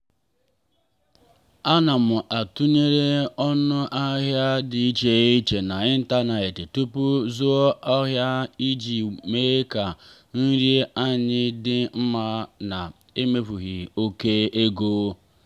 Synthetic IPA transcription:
a˦na˨mʊ˨ʔa˨tu˦ɲe˦ɾe˦ɔ˦nʊ˦ʔa˦ɦja˦dɪ˨i˦t͡ʃe˨˦i˦t͡ʃe˨na˨i˦n̩˦ta˦na˨ɪ˨tɪ˨tu˦pʊ˦zu˦ɔ˦a˦ɦja˦i˦d͡ʒi˨me˦ka˨ | n̩˦ɾje˦a˦ɲɪ˦dɪ˦m̩˦ma˦na˨ | e˦me˦fu˨ɣi˨o˦ke˦e˦ɡoː˦

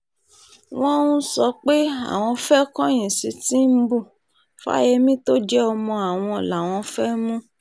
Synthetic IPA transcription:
w̃ɔ̃˦ũ˦sɔ˧k͡pe˦a̰˦˨w̃ɔ̃˧fɛ˦kɔ̃˦j̃ĩ˨si˨˧˦tĩ˦m̩˦bu˦˨ | fa̰˦je˧mĩ˦to˦d͡ʒɛ˦ɔ˧mɔ̃˧a˨w̃ɔ̃˧˨la˨w̃ɔ̃˧fɛ˦mũ˦

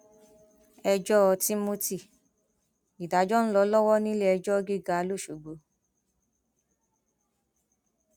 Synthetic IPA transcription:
ɛ˧d͡ʒɔ˦ɔ˧ti˦mo˦ti˦˨ | i˨da˨˦d͡ʒɔ˦ñ̩˦lɔ˧˦lɔ˦wɔ˦nĩ˦le˦ɛ˧d͡ʒɔ˦ɡi˦˨ɡa˨˧lo˦˨ʃu˨ɡ͡bo˨˦

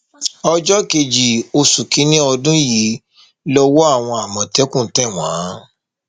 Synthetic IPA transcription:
ɔ˧d͡ʒɔ˦ke˧˨d͡ʒi˨o˧su˨kĩ˨˦nĩ˦ɔ˧dũ˦ji˨˦ | lɔ˧wɔ˦a˦˨w̃ɔ̃˧a˨mɔ̃˨tɛ˦kũ˦˨tɛ˦˨w̃ãː˨˦

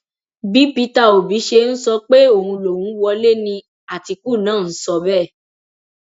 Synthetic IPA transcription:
bi˨˦pi˧˦ta˦˨o˨bi˨˦ʃe˧n̩˦sɔ˧k͡pe˦o˦˨hũ˧lo˨hũ˨˦wɔ˧le˦˨nĩ˧ | a˨ti˧ku˦˨nãː˦˨n̩˦sɔ˧bɛ˦˨

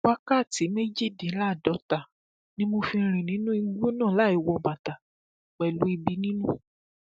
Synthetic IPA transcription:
wa˦ka˦˨ti˨˦me˦d͡ʒi˦˨dĩ˨˦la˦˨dɔ˨˦ta˨ | nĩ˦mo˧fi˧ɾ̃ĩ˨nĩ˨˦nũ˦i˧˦ɡ͡bu˦nã˦˨la˨˦i˧wɔ˧ba˨ta˨ | k͡pɛ˨lu˨˦i˧bi˧˦nĩ˦nũ˦

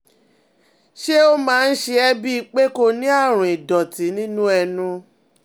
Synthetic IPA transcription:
ʃe˦o˦mãː˦n̩˦ʃe˧ɛ˧bi˦i˧k͡pe˦ko˧nĩ˦a˦˨ɾ̃ũ˨i˨dɔ˨ti˨˦nĩ˦nũ˦ɛ˧nũ˧

